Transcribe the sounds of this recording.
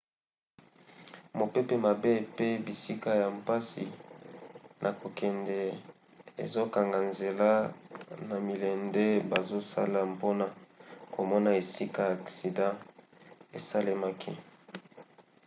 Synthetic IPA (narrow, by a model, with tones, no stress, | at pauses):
mo˨pɛ˦pe˦ma˨be˦pe˦bi˨si˦ka˦ja˨mpa˦sḭ˨ | nʔa˨ko˨kɛ˨ndɛ˨ | ḛ˨zo˦ka˨ŋɡa˨nze˨la˦na˨mi˨lɛ˨nde˦ba˨zo˦sa̰˦la˨mpo˦na˨ko˨mɔ˦na˨e˨si˦ka˦˨ja˨ksi˨dã˦ | e˨sa˦le˦ma˦kʰḭ˦